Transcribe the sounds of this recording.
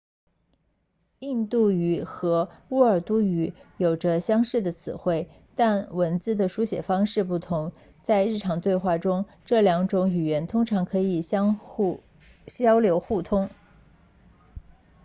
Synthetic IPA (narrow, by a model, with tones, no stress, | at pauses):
i˥˧nt̪u˥˩y˨˩xɤ˧˥u˥ə˞˨˩t̪u˥y˧˩jo˨˩ʊʈ͡ʂə˦ɕjɑ˥ŋʂɻ̩˥˩d̪ə˩t͡sʰɹ̩̰˨˩xwe˥˩ɪ | t̪a˥˩nwə˧˥nt͡sɹ̩˥˩d̪ə˩ʂu˧˥ɕjɛ̰˨˩fɑ˥ŋʂɻ̩˥˧pu˥˩t̪ʰʊ˧˥ŋ | t͡sa˥˧ɪɻ̩˥˩ʈ͡ʂʰɑ˧˥ŋt̪we˥˧ɪxwa˥˩ʈ͡ʂʊ˥ŋ | ʈ͡ʂɤ˥˩ljɑ˧˥ŋʈ͡ʂʊ˧˥ŋy˨˩ɥɛ˧˥nt̪ʰʊ˥ŋʈ͡ʂʰɑ˧˥ŋkʰɤ˧˥i˨˩˥ | ɕjɑ˥ʊljo˧˥ʊxu˥˩t̪ʰʊ˥ŋ